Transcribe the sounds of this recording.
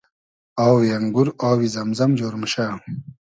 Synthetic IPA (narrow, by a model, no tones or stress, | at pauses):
awjɐŋɡuɾaːwizɐmzɐmd͡ʑoːɾmɕa